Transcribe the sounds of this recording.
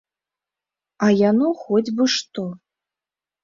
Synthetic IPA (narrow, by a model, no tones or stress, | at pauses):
ajanɔxɔd͡zʲbɨʂt̪ɔ